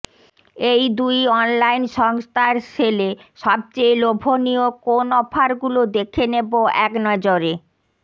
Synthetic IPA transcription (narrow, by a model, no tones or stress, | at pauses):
ejd̪ujɔnlajnʃɔŋst̪ʰaɾʃʰeleʃɔb̚t͡ɕejlobʱoniokonɔpʰaɾɡulod̪ekʰeneboɛknɔd͡ʑoɾe